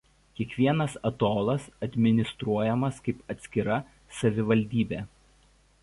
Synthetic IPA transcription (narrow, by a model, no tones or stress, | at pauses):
kʲiɛkʋʲiɛnɐsɐt̪oːlˠɐsɐd̪ʲmʲɪnʲɪst̪ɾuɔjɛmɐskɐɪpɐt̪ʲsʲkʲɪɾɐ | sɐʋʲɪʋɐlʲd̪ʲiːbʲeː